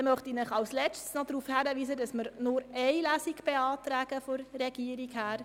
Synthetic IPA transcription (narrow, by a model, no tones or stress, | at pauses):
ɛmœχtinəχɑwslɛt͡ʃtsnɔdɾuːfhæɾəʋiːsədɑsməɾnʊɾɛɪlæːsikb̥ɛɑːtɾæːɡ̥əfɔɾːɛɡ̥iəɾikhæːɾ